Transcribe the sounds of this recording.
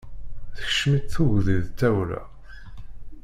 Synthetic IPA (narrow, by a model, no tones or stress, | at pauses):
θə̥çə̥ʃmit̪θuʝðiðt̪ːæwɾæ̰